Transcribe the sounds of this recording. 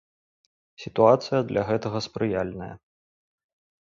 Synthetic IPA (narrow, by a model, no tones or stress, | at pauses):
sʲit̪uat̪sɨjɐd̪lʲʔɐɣɛt̪ɐɣɐspɾɨjalʲnɐjɐ̰